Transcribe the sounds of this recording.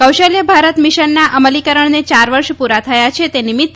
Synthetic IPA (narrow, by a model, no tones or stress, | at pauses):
kəwʃəljəbʱaɾət̪miʃənːaʔəməlikəɾəɳ̃net͡ʃaɾʋəɾʃpuɾat̪ʰəjat͡ʃʰet̪enimɪt̪ː